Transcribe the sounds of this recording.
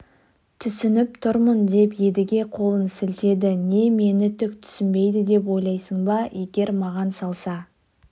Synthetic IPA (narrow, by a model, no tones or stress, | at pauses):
t̪ʰʏsɪnɪp̚t̪ʰʊɾmənd̪e̞pje̞d̪ɪɡʲe̞qʰo̞lˠənsɪlt̪e̞d̪ɪne̞me̞nɪt̪ʰʏk̚t̪ʰʏ̥sʏnbe̞jd̪ɪd̪e̞p̬wo̞jlˠɑjsəɴbɑje̞ɡʲe̞ɾmɑʁɑnsɑlˠsɑ